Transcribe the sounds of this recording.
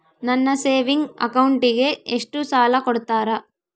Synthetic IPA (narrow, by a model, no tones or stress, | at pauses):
nɐnːɐse̞ːʋiŋɡɐ̰kɐwuɳʈiɡeeʂʈusaːlɐkoɽut̪aːɾɐ